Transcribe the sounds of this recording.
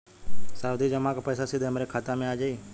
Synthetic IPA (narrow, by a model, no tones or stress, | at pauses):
saːud̪ʱiːd͡ʒəmãːkapɛːsaːsiːd̪eəmɾeːkʰaːt̪aːmẽaːd͡ʒaiː